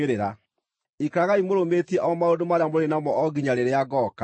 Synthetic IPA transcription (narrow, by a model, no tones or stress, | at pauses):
eɾeɾa | ikaɣaimoɾometiɛʔaɔmaodomaɾeamoɾenamɔʔɔɡiɲaɾeɾeaɡɔːka